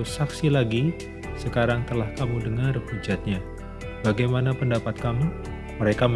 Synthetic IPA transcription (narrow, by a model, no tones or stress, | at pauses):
saksilaɡi | səkaɾaŋt̪əlahkamudəŋarhud͡ʒat̪̚ɲa | baɡajmanapəndapat̪̚kamu | məɾekam